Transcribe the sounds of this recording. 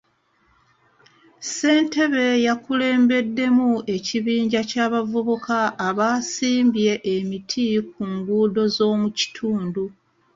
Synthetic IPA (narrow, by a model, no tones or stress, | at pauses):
se̞ːnte̞βe̞jakule̞ːmbe̞dːe̞mue̞ciβiːɲɟacaːβavuβukaːβaːsiːmbje̞ʔːmitʰik̚uŋɡuːdo̞zo̞ːmuci̥tʰuːndu